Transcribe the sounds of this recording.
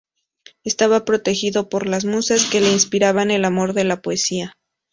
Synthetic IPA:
e̞st̪aβapɾo̞t̪e̞xiðo̞po̞ɾlazmusaske̞le̞inspiɾaβane̞lamo̞ɾðe̞lapoesia

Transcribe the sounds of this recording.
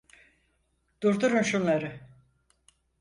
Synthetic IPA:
d̪̥uɾd̪uɾunʃunlˠaɾɯ

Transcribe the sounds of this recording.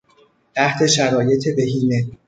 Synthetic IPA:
t̪ʰæht̪ʰe̞ʃæɾɒːje̞t̪ʰebe̞ɦiːne

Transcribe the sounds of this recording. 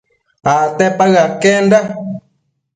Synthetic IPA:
at̪ɛpaɣakenda

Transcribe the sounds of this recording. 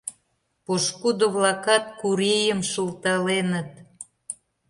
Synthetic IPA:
poʃkud̪oβlɑkɑt̪̚kuɾejəmʃəlˠt̪ɑlenət̪̚

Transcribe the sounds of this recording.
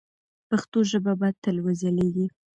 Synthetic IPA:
paxt̪oʒəbabat̪əlwəzaleɡ̪i

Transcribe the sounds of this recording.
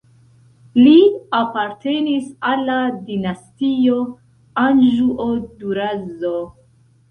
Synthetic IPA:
liapaɾte̞nisalːadinastio | and͡ʒuʔoduɾazo

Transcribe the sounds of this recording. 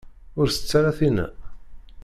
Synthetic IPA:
ʊɾθə̥t͡sːaɾaθinæ̰

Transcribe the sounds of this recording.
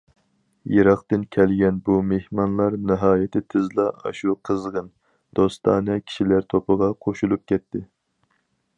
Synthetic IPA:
jeɾɑqt̪ɨnkʲʰɛlɡʲɛnbumehmɑnlˠɑɾnɨɦɑːjɪt̪ʰɪt̪ʰɪzlˠɑɑ̰ʃuqʰəzʁən | d̪̥ost̪ʰɑ̰ːnɛkʲʰi̥ʃilæɾt̪ʰopʰəʁɑqʰoʃulˠup̚kʲʰɛt̪ʰːɪ

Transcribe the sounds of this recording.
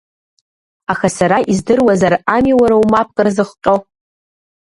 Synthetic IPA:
axasaɾaʔizdɨrwazaramiwaɾawmap̚ʰkʼɨrzɨχʷqʲʼo

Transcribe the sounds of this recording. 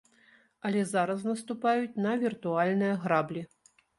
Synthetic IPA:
ɐlʲɛzaɾɐsnɐst̪upajut͡sʲnɐvʲirt̪ualʲnɨjɐɣɾablʲi

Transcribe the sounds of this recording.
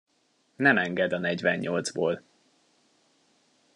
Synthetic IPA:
nɛmɛŋɡɛd̪ɒnɛɟvɛɲɲold̪zboːl

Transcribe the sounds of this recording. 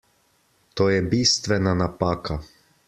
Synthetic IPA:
t̪oːjɛbist̪ʋɛnanapaːka

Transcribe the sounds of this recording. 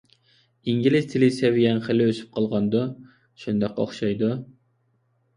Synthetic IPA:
iŋɡʲilɪz̥t̪ʰɪlɪsɛvɪjɛnχəlɪøsy̥p̚qʰɑlˠʁɑnd̪u | ʃund̪ɑqo̰χʃɑjd̪u

